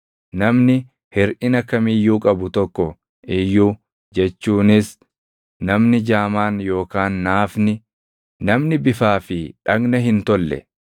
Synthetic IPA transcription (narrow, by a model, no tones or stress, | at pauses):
nɐmnɪ | hɪɾʔɪnɐkːɐmijːuːkʼɐbʊt̪ɔkːɔ | ʔɪjːuː | d͡ʒɛt͡ʃːuːnɪs | nɐmnɪd͡ʒaːmaːnjo̞ːkaːnːaːfnɪ | nɐmnɪbɪfaːfɪᶑɐɡnɐɦɪnt̪ɔlːɛ̰